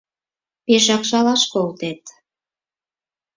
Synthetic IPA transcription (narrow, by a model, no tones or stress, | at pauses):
peʃ̬ɑkʃɑlɑʃkolt̪et̪